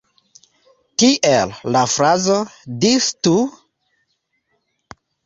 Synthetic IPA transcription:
tiʔelːafɾazodistu

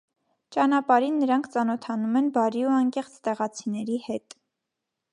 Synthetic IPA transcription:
t͡ʃɑnɑpɑɾinːəɾɑŋkʰt͡sɑnɔt̪ʰɑnumɛnbɑɾiuɑŋkɛχt͡sʰt̪ɛʁɑt͡sʰinɛɾihɛt̪

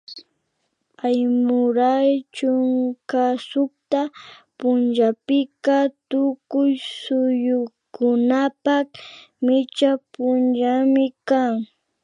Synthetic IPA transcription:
ajmʊɾajt͡ʃʊŋkasʊkt̪a | pʊnʒapɪkat̪ʊkʊjsʊjʊkʊnapakmɪt͡ʃapʊnʒamɪkaŋ

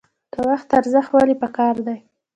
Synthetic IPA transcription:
kəwaxt̪aɾzəxwalipəkɑɾd̪aj

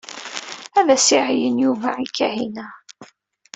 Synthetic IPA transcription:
æðæsiʕjənjuvæʕikːæhinæ

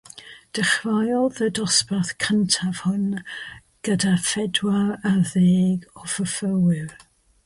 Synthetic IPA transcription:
d̥əχvajlˠðədɔspaθkʰəntʰav̥hʊn | ɡ̥ədafɛdwaəðeːɡɔfəfəwɪɹ

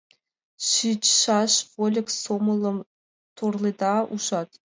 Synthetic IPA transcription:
ʃit͡ɕʃɑʃvolʲɘ̆ksomɤlˠɤ̆m | t̪ʰorlˠid̪ɑuʃɑt̪

